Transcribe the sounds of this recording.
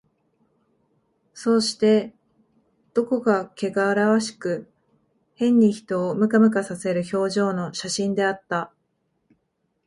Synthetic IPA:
so̞ːɕi̥t̪e̞ | d̪̥o̞ko̞kake̞ɡaːɾaβaɕi̥kɯ̟ | hẽ̞ɲ̟ʲːiçi̥t̪o̞ːmɯ̟kamɯ̟kasase̞ɾɯ̟ço̞ːʑo̞ːno̞ɕaɕĩnd̪e̞at̪ːa

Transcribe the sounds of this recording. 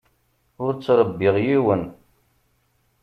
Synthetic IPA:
ʊɾt͡sːɾˤəbːɪʁjiwən

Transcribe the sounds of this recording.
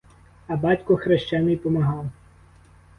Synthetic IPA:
ɐbɑtʲkʊxɾeʃt͡ʃanɪjpɔmɐɦɑw

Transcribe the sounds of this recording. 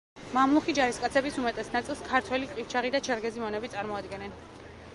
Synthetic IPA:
mamlˠuχid͡ʒaɾiskʼat̪sʰɛbisumɛt̪ʼɛsnat̪sʼilˠskʰaɾt̪ʰwɛliqʼift͡ʃʰaʁid̪at͡ʃʰaɾɡɛzimɔnɛbit̪sʼaɾmɔad̪ɡɛnɛn

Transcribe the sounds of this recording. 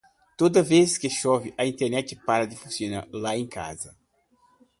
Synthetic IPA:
t̪od̪ɐveskeʃɔvɪʔɐĩnt̪eɾnɛt͡ʃ̪ɪpaɾɐd̪ɪfũsjõnalaẽka̰zɐ

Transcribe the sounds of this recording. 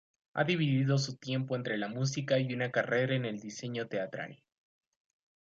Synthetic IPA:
a̰ðiβiðiðo̞s̬ut̪je̞mpo̞e̞nt̪ɾe̞lamus̬ikaiunakare̞ɾaene̞ld̪ise̞ɲo̞t̪e̞at̪ɾa̰no

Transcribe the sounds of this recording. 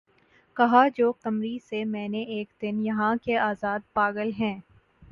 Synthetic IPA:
kɐɦad͡ʒoːtɐmɾisemɛ̃ːneʔeːkd̪ɪnjɐɦãkeaːzaːd̪̚paːɡəlɦɛ̃ː

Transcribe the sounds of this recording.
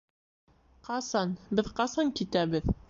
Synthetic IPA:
qɑsɑnbɘðqɑsɑŋkit̪æβɘð

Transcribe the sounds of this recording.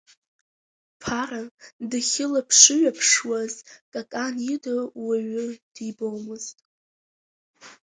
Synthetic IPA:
pʰaɾadɨχʲɪlapʰʂɨɥapʰʂwazkʼakʼanjidɨwaɥʊd̥ibowmɨztʼ

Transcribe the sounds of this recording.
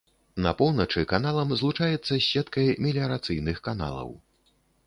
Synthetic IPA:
nɐ̰pɔwnɐt͡ʂɨkanalˠɐmzlˠut͡ʂajɛt̪sːɐɕʲɛt̪kɐjmʲilʲiɐɾat̪sɨjnɨxkana̰lˠɐ̰w

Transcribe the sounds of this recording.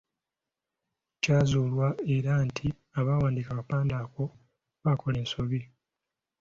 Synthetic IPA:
caːzuːlwae̞ɾantʰi | aβaːwaːndikakapaːndaːko̞ | βakʰo̞le̞ːnso̞βi

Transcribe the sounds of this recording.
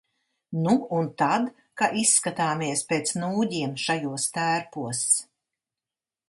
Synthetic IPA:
nuunt̪ad̪ | kaʔisːkat̪aːmiɛspeːt̪snuːɟiɛmʃajuɔst̪æːɾpuɔs

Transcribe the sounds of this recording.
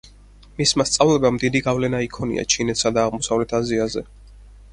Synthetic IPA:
mismast̪sʼavlɛbamd̪id̪iɡavlɛnaikʰɔnḭʔa̰t͡ʃʰinɛt̪ʰsad̪aːʁmɔsavlɛt̪ʰaziazɛ̰

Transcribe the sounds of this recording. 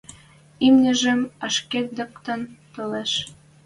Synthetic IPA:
imnʲə̆ʒə̆mɑʃket̪̚d̪ɤ̆kt̪ə̆nt̪oleʃ

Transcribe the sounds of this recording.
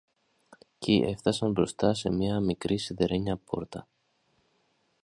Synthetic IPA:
ciʔe̞ft̪ɐsɐmbɾo̞st̪ɐse̞mɲiɐmikɾisiðe̞ɾe̞ɲɐpo̞̰ɾt̪ɐ

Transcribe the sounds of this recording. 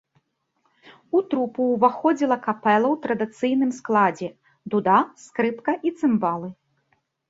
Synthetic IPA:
ut̪ɾupuwvaxɔd͡zʲilˠɐkapɛlˠɐwt̪ɾɐd̪ɨt̪sɨjnɨmsklˠad͡zʲɛ | d̪ud̪askɾɨp̪kɐʔit̪sɨmbalˠɨ

